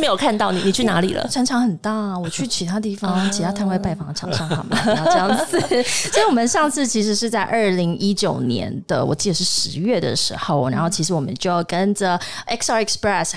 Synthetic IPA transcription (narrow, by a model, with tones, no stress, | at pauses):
me˧˥ɪjkʰa˥˧nt̪ɑ˥˩ʊnḭ˨˩ni˨˩t͡ɕʰy˥˩na̰˧˥lḭ˨˩lə̰˦ʈ͡ʂʰɑ˧˥ŋʈ͡ʂʰɑ˧˥ŋxə˨˩nt̪a˥˩wɔ˨˩t͡ɕʰy˥˩t͡ɕʰi˧˥t̪ʰa˥t̪i˥˩fɑ˨˩ŋt͡ɕʰi˧˥˩a˥t̪ʰa˥˧nwe˥˧ɪpa˥˩ɪfɑ˥ŋ˧ʈ͡ʂʰɑ̰˨˩ŋʂɑ˥˩ŋɑ˨˩ŋm˥˩˥ʈ͡ʂɑ˥˧ŋt͡sʰɹ̩˥˩t͡ɕʰə˧˥˩wɔ˨˩mə˨˦nʂɑ˥˧ŋt͡sʰɹ̩˥˩t͡ɕʰi˧˥ʂ̬ɻ̩˧˥ʂɻ̩˥˧t͡sa˥˧ɪʔə˞˥˩li˧˥ŋi˦˥t͡ɕjo˨˩ʊnjɛ̰˧˥nd̪ə̰˧wɔ̰˨˩t͡ɕi˥˩d̪ə˨˩ʂɻ̩˥˩ʂɻ̩˧˥ɥɛ˥˩d̪ə̰˩ʂɻ̩˧˥xo˥˩ʊna˧˥nxo˥˩ʊt͡ɕʰi˧˥ʂɻ̩˧˥wɔ˨˩mə̰˦nt͡ɕjo˥˧ʊjɑ˥˩ʊkə˦˥nʈ͡ʂə˨ʔɛ˥ksɑ˥ɛ˨˩kspɹɛ˥˩s